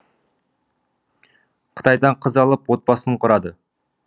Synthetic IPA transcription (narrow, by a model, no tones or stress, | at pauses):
qʰə̥t̪ɑjd̪ɑɴqʰəzɑlˠəpwo̞t̪̚bɑsəɴqʰʊɾɑd̪ə